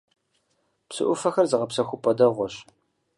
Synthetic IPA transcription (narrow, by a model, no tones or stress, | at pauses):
psɨ̰ʔʷʊfɐxɐrzɨʁɐpsɐxʷʊpʰʷʼɐdɐʁʷɔɕ